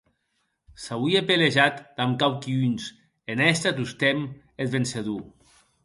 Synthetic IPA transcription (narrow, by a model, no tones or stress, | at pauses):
sawiepeleʒat̪d̪amkawkiuns | enɛst̪at̪ust̪em | et̪βenseðu